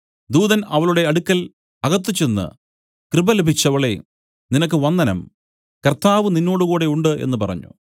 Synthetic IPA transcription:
d̪uːðɐnɐʋɐɭuɽe̞ɐɽukːɐl | ɐɣɐt̪̬ːit͡ɕːenːɨ̰ | krɨbɐlebʱit͡ɕːɐʋɐɭḛ | ninɐk̬ːɨʋɐnːɐnɐ̰m | kɐrt̪aːʋɨninːo̞ːɽuɣuːɽe̞uɳɖɨʔe̞̰nːɨpɐrɐ̰ɲːṵ

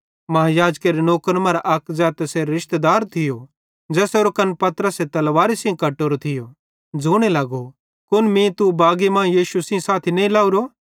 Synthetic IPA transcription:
mɐɦajaːd͡ʒkeːɾenoːkənmɐ̃ɾaʔɐkzaːt̪ɛseɾɪʃt̪ed̪aːɾt̪ʰɪjo | d͡zɛːsoɾokɐnpɐt̪ɾəset̪ɐlʋaːɾisĩkɐʈːoːɾot̪ʰɪjo | d͡zoːɽ̃elɐːɡo | kʊnmĩt̪ubaːɡimãːjiːʃusĩsaːt̪ʰinelaːuɾo

